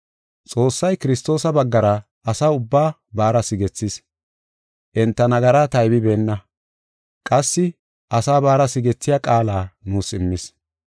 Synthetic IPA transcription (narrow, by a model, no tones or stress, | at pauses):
t͡sʼo̞ːsːɐjkɪɾɪst̪o̞ːsɐbɐɡːɐɾɐ | ʔɐsaːʊbːaː | baːɾɐsɪɡɛt͡sːɪs | ʔɛnt̪ːɐnɐɡɐɾaːt̪ɐjbɪbe̞ːnːɐ | kʼɐsːɪ | ʔɐsaːbaːɾɐsɪɡɛt͡sːɪjɐkʼaːlaːnuːsɪmːɪs